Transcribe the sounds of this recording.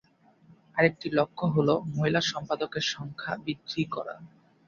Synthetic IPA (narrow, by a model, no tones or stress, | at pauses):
aɾek̚ʈilokʰːoɦolomoilaʃɔmpad̪okeɾʃɔŋkʰabid̪ɾikɔ̰ɾa̰